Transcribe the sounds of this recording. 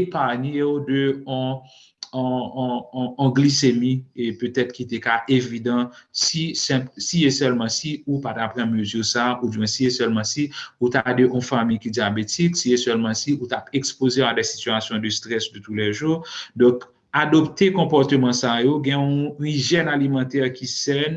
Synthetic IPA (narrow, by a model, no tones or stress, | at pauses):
epaʁneodøɔ̃ | ɡlisemiepøt̪ɛt̪kit̪ekaʔevidɑ̃sisɛ̃psiesɛlmɑ̃siupat̪apʁɑ̃møzyʁsaʔudɛ̃siesɛlmɑ̃siut̪adeʔɔ̃famijkidiabetiksiesɛlmɑ̃siut̪apekspozeadɛsi̥tyasjɔ̃d̪əst̪ʁɛsd̪øt̪ulɛʒuʁd̪ɔ̃k | adɔpt̪ekɔ̃pɔʁt̪ømɑ̃sajoɡɛ̃ũiʒɛnalimɑ̃t̪ɛʁkisɛn